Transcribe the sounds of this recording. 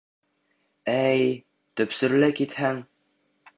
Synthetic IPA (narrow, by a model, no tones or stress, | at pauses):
æj | t̪ɵ̆psɵ̆ɾlɘkit̪hæŋ